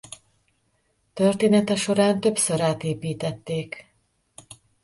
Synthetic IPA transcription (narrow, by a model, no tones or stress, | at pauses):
t̪ørt̪eːnɛt̪ɛʃo̞ɾaːnt̪ø̞psøɾaːt̪eːpiːt̪ɛt̪ːeːk